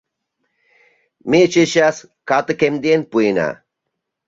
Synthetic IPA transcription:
met͡ʃeɕas | kat̪ɨkemd̪enpuina̰

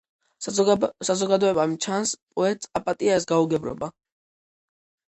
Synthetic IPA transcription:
sazɔɡad̪ɔɛbamt͡ʃʰanspʼɔɛt̪ʼsʼapʼat̪ʼiaɛs̬ɡauɡɛbɾɔ̰ba

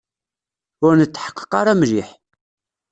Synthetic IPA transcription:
ʊɾnət͡sːħə̥qːə̥qɑɾˤæmʒiħ

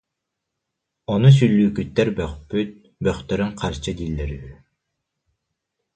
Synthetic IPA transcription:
ɔnus̬ylːyːkyt̪ːɛɾbœχpyt̪̚ | bœχt̪œɾyŋqʰaɾt͡ɕɯd̪ilːɛɾyβy

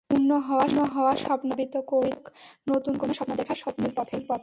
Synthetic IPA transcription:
unːoɦɔoanoɦɔoaʃɔpnobit̪okoiknot̪unkoneʃɔpnod̪ɛkʰaɾʃɔpneɾpɔt̪ʰeɾpɔt̪ʰ

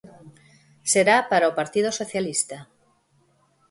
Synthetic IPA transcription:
seɾapaɾaopaɾt̪ið̞osoθjalist̪a

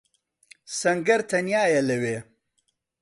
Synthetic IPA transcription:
sɐŋɡɐɾt̪ʰɐnjaːjɐlɐweː

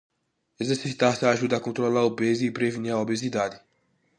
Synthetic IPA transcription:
ezeɾsiit̪aɾsaːʒud̪ɐakõnt̪ɾolaobezɪːpɾeveniɾaobezid̪ad̪ɪ

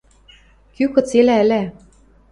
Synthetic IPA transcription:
kykɤ̆t͡selæɘ̆læ

